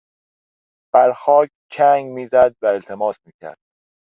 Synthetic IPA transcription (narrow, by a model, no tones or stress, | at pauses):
b̥æɾxɒːc̚ʰ | t͡ʃʰæŋɡmiːzæd̪̚væe̞lt̪ʰe̞mɒːsmiːcʰæ̰ɾd̪̥̚